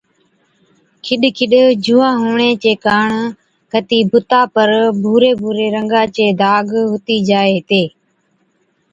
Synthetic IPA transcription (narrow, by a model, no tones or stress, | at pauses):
kʰɪɗkʰɪɗd͡ʒuːãːɦoːɳeːt͡ʃeːkaːɳ | kʰət̪iːbʱʊt̪aːpəɾbʱuːɾeːbʱuːɾeːɾəŋɡãːt͡ʃeːd̪ʱaːɡɦʊt̪iːd͡ʒaːeːt̪eː